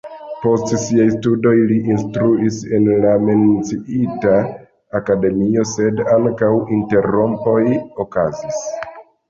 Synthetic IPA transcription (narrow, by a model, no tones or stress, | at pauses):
po̞stsiajstudo̞jliʔinstɾuise̞nlame̞nt͡siitaː | kade̞mio̞se̞daŋkawinte̞ɾo̞mpo̞jo̞kazis